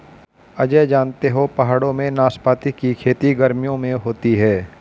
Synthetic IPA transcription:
ɐd͡ʒɛd͡ʒaːnt̪eɦopɐɦaːɽõmẽnaːspaːt̪ikikʰeːt̪iɡɐɾmijõmẽɦoːt̪iɦɛː

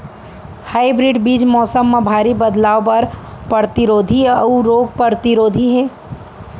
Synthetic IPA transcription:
haːibɾiːɖbiːd͡ʒmɔːsəmːẽbʱaːɾibəd̪laːʋpɐɾpəɾt̪ɪɾoːd̪ʱiuɾoːɡ̚pəɾt̪ɪɾoːd̪ʱiɦɛː

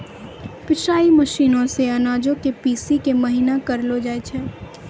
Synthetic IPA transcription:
pɪʃaːimɐʃiːnõseɐnaːd͡ʒõkepiːsikemɐɦiːnakɐɾlod͡ʒaːet͡ʃʰɛː

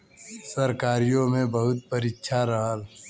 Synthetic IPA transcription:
sɐɾkaːɾijõmẽbɐɦʊt̪̚pɐɾɪːʃʰaɾɐɦəl

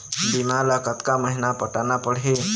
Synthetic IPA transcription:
bimalakət̪kaməɦinapəʈanapəɽ̤ɦe

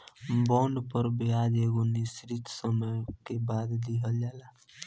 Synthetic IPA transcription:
bɔ̃ɳɖpəɾbiad͡ʒeɡonisɾit̪səməjkebad̪d̪iɦəld͡ʒala

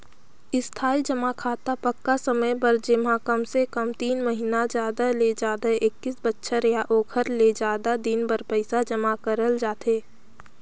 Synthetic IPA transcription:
ɪst̪ʰaːid͡ʒəmakʰaːt̪apəkːasəməjbɐɾd͡ʒɪmãkəmsekəmt̪iːnməɦinad͡ʒjaːd̪aled͡ʒaːd̪aʔɪkːɪsbətːʃʰaɾejaʔoːkʰəɾled͡ʒaːd̪ad̪inbəɾpəɪsad͡ʒəmakəɾəld͡ʒaːt̪eː

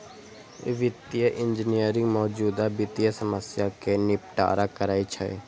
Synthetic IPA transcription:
ʋɪt̪jəʔɪ̃ɲd͡ʒɪnijəɾɪ̃ŋɡmɔːd͡ʒuːd̪abɪt̪ijəsəməsjakenɪp̚ʈa̰ːɾakəɾaːit͡ʃʰə̰

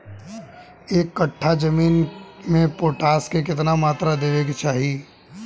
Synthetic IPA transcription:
eːkːəʈʰːad͡ʒəmiːnmẽpoːʈaːskek̬ɪt̪̬namaːt̪ɾad̪eːʋeket͡ʃaːɦi

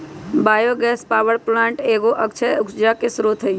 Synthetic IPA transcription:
baːjoɡɛːspaːʋəɽplãːɳʈeːɡoʔəkt͡ʃʰɛʊkd͡ʒakesɾot̪ʰɦəj

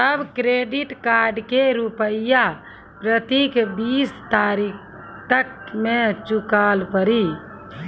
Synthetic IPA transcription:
t̪əbkɾeɖiʈkaɾɖkeɾupəɪja | pɾət̪ikbist̪aɾikʰ | t̪əkmẽt͡ʃukaːlpəɾi

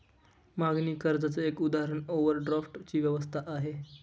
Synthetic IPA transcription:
maɡniːkəɾd͡zat͡səekud̪aɦəɾəɳoʋəɾɖɾafʈt͡ɕiːʋjəʋəst̪ʰaʔaɦe

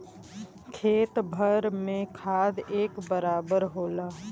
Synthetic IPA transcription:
kʰeːt̪bʱəɾmẽkʰaːd̪eːkbəɾaːbəɾɦoːlaː

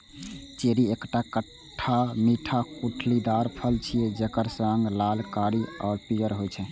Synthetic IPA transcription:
t͡ʃeɾiekʈakəʈʰːamiʈʰakuʈʰlid̪aɾpʰəlt͡ʃʰijed͡ʒekəɾsəŋɡlalkaɾia̰ːɾpijəɾɦojt͡ʃʰɛ

